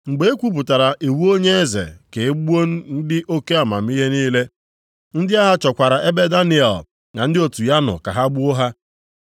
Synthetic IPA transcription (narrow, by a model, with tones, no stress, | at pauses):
ŋ͡m̩˨ɡ͡be˨e˦kʷu˦p̬ʊ˨ta˨ɾa˨ʔe˨wu˦o˦ɲe˦e˦zḛ˨ke˨e˦ɡ͡bu˦o˦n̩˦n̩˦dɪ˦ʔo˦ke˦a˨ma̰˨m̩˦i˦ɦe˦niː˦le˦ | n̩˦dɪ˦a˦ɦa˨t͡ʃɔ˨kʷa˨ɾa˨ʔe˦be˦da˦nɪ˨ɛ̰˨l | na˨n̩˦dɪ˦o˨tu˨ja˦nʊ̰˨ka̰˨ɦa˦ɡ͡bu˦o˦ɦa˦